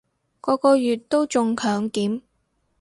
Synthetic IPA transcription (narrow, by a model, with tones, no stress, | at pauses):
kɔː˨˧kɔː˧jyː˨t̚t̪o˥wt͡sʊ˧ŋkʰœː˨˥ŋkiː˨˥m